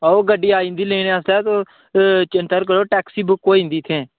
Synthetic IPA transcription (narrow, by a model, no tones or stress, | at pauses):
oːɡəɖiːaːĩːnd̪iːlẽːneːaslɛːt̪oː | t͡ʃənʈ̪əɾkəɾoːʈɛːksiːbəkoːĩːnd̪iːt̪ʰeː